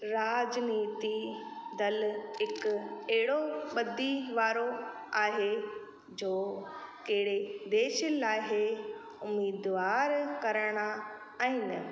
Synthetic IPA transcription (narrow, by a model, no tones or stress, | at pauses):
ɾaːd͡ʑniːt̪id̪ɐlɦɪkɛɦɪɽoɓɐd̪ʱiʋaːɾo | aːɦe | d͡ʑoːkɐɦɪɽed̪eːʃəlaːɦe | ʊmiːd̪ʋaːɾkɐɾəɽ̃a | aːɦɪnɪ̆